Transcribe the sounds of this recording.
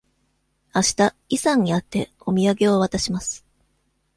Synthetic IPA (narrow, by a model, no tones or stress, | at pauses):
aɕi̥t̪a | isãɲ̟ːiat̪ːe̞ | o̞mʲiaɡe̞oβat̪aɕimasɨ̥